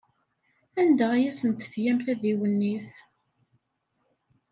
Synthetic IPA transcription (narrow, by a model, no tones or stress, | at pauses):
ænd̪æʁæjæsənt̪θjæmθæðiwənːiθ